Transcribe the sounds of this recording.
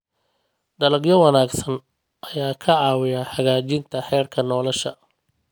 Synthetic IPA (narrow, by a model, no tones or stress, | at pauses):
ɖ̪ɐlɐɡjɔwɑnaːɡsɐn | ʔɐjaːkʰɐʕɑːwɪjaħɑɣaːt͡ʃɪnt̪ʰɐħɛːrkʰɐnɔːlɐʃɐ